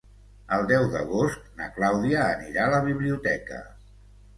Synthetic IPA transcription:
əlˠd̪ɛwðə̰ɣost̪̚nəklawðiəːniɾaləβ̞iβliut̪ɛkə̰

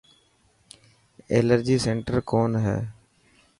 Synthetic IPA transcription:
ḛːləɾd͡ʒiːseːɳʈəɾkoːnɦɛ̰ː

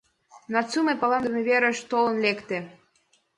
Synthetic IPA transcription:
nɑt͡sumepɑlɑnd̪əmeβeɾə̆ʃt̪olə̆nlekt̪ĕ

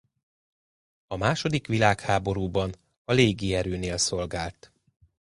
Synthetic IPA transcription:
ɒmaːʃo̞d̪ikʋilaːkhaːbo̞ɾuːbɒn | ɒleːɡiɛɾøːneːlso̞lɡaːlt̪

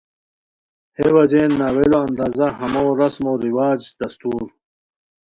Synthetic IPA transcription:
hewɐd͡ʑeːnːaːweloɐnd̪aːzɐɦɐmowɾɐsmoɾiwaːd͡ʑd̪̥ɐst̪uːɾ

